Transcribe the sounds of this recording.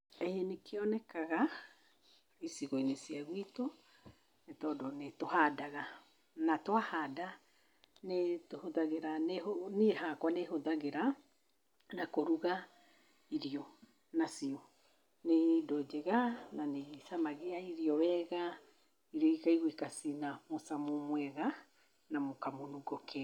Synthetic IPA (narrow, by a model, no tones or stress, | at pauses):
ɛjenekeɔnɛkaɣa | isiɣoinesiaɣwito | netɔdɔnetohadaɣa | natwahada | netohoðaɣeɾanehonehakwaneɦoðaɣeɾa | nakoɾuɣa | iɾiɔ | nasiɔ | nedɔd͡ʒɛɣananesamaɣeaiɾiɔwɛɣa | iɾɔikaiɣwikasinamosamomwɛɣa | namokamonuɡɔkʰɛ